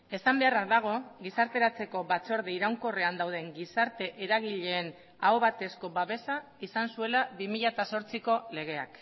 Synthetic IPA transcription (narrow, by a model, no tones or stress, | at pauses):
e̞sambe̞araðaɣ̞o̞ɣisaɾt̪e̞ɾat͡se̞ko̞βat͡so̞ɾðeiɾawŋko̞re̞and̪awð̞e̞ŋɡisaɾt̪e̞ʔeɾaɣ̞iʎe̞ːn | aoβat̪e̞sko̞βaβe̞sa | isansue̞laβimiʎat̪aso̞ɾt͡siko̞le̞ɣe̞a̰k